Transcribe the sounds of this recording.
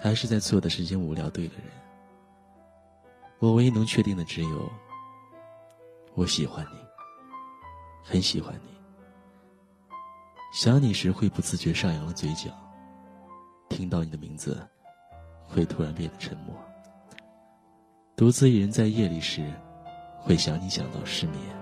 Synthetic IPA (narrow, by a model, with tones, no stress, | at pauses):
t̪ʰa˧˥ʂɻ̩˥˧t͡sa˥˧ɪt͡sʰwɔ˥˩d̪ə˩ʂɻ̩˥˩t͡ɕʰɛ˥nu˧˥ljɑ̰˥˧˥ʊt̪we˥˩ɪd̪ə̰˩ɻə̰˧˥˦n | wɔ˨˩we˧˥ɪi˥˧nʊ˧˥ŋt͡ɕʰɥɛ˥˧i˥˩ŋd̪ə˩ʈ͡ʂɻ̩˧˥jo˧˥˦ʊ | wɔ˧˥ɕi˨˩xwa˧˥nni˨˩˦ | xə˧˥nɕi˨˩xwa̰˧˥nni˨˩˦ | ɕjɑ˧˥ŋni˨˩ʂɻ̩˧˥xwe˥˩ɪpu˨˩t͡sɹ̩˥˩t͡ɕɥɛ˧˥ʂɑ˥˩ŋjɑ˧˥ŋd̪ə˧t͡swe˧˥ɪt͡ɕjɑ̰˨˩˦ŋ | t̪ʰi˥ŋt̪ɑ˥˩ʊni˨˩d̪ə˦mḭ˧˥ŋd͡zɹ̩̰˧ | xwe˥˩ɪt̪ʰu˧˥ɻa˧˥npd̪ə˩ʈ͡ʂʰə̰˧˥ŋmwɔ̰˥˩ | t̪u˧˥t͡sɹ̩˥i˨˩ɻə˧˥nt͡sa˥˧ɪjɛ˥˧li˨˩ʂɻ̩˧˥xwe˥˩ɪɕjɑ˧˥˩ŋni˧˥ɕjɑ̰˨˩ŋt̪ɑ̰˥˧ʊʂɻ̩˥˧mjɛ̰˥˩